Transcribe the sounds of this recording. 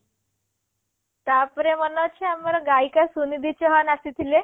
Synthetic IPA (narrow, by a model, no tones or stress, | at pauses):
t̪apɾemənɔt͡ɕʰeaməɾɡaikasunid̪it͡ɕɔɦanasit̪ʰile